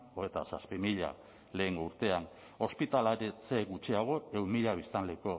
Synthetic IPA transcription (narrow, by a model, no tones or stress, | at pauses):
oet̪asaspimiʎa̰ | le̞ːŋɡo̞uɾt̪e̞an | o̞spit̪alaɾet͡seɡut͡ʃiaɣ̞o̞ewmiʎaβist̪anleko